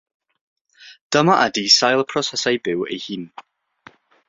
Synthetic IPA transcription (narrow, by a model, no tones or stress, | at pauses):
d̥əmaʔadisajlˠpʰrɔsɛsajbɪwḛjhɨːn